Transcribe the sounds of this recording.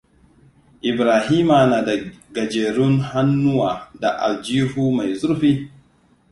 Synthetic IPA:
ʔi˨bɾaː˨ɦi˦ma˨na˨da˨ɡa˨d͡ʒeː˨ɾʊ˦nha˦nːʊ˦wa˨da˨ʔa˨ld͡ʒi˦hu˦ma˨jzu˦ɾɸi˦

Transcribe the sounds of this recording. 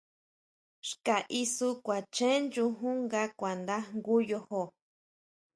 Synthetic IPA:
ʃka˨ʔi˧su˦kʷa˨t͡ʃẽ˦nd͡ʒu˧ɦũ˦ŋɡa˦kʷa˨nd̪a˦ŋɡu˦jo˧ho˨

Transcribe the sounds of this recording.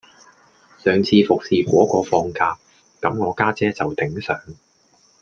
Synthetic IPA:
sœː˨ŋt͡sʰiː˧fʊ˨k̚siː˨kʷɔː˨˥kɔː˧fɔː˧ŋkaː˧p | kɐ˨˥mŋɔː˨˧kaː˥t͡sɛː˥t͡sɐ˨wt̪ɪ˨˥ŋsœ̰ː˨˥ŋ

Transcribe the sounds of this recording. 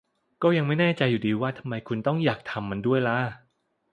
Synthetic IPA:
kɔː˥˩ja˧ŋma˥˩jnɛː˥˩t͡ɕa˧jːuː˨˩diː˧waː˥˩t̪ʰa˧mːa˧jkʰu˧nt̪ɔ˥˩ŋjaː˨˩k̚t̪ʰa˧mːa˧ndu˥˩əjla˦˥

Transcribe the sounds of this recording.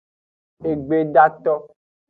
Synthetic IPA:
e˨ɡ͡be˦ɖa˦t̪ɔ˦

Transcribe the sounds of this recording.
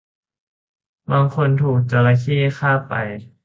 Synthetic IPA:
baː˧ŋkʰo˧nt̪ʰuː˨˩k̚t͡ɕa˧la˧kʰiː˥˩˨xʰaː˥˩pa̰˨˧˩j

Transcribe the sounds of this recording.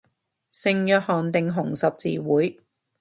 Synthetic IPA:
sɪ˨ŋjœː˨˧t̚hɔː˨˩nt̪ɪ˨˧ŋɦʊ˨˩ŋsɐ˨p̚t͡sḭː˧wuː˨˥j

